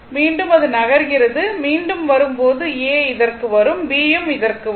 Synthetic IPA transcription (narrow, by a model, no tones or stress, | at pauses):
miːɳɖɯmɐðɯnɐɣɐɾɣɪrɐðɯmiːɳɖɯmʋɐɾɯmpoːðɯeːɪðɐrkɯʋɐɾɯmbiːjɯmɪðɐrkɯ